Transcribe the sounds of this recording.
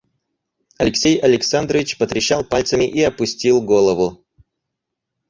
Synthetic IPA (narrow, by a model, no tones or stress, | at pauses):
ɐlʲɪksʲejɐlʲɪksand̪ɾəvʲɪt͡ɕpət̪ɾʲɪɕːalˠpalʲt̪səmʲɪʔiɐpʊsʲtʲilˠɡolˠəvʊ